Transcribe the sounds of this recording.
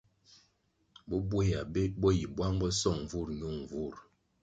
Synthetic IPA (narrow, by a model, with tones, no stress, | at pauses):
bɔ˦bwe˦ja˨be˦bo˦ji˨bwa˦ŋbə˦sɔ˦˨ŋ˨vu˦˨ɾɲu˦˨ŋ˨vu˦˨ɾ